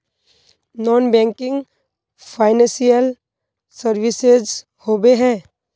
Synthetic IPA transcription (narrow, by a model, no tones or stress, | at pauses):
nɔːnbɛ̃ːŋkɪ̃ŋɡ | pʰaːɪnɛ̃sijəl | səɾʋɪsez | hoːbeɦɛ̃ː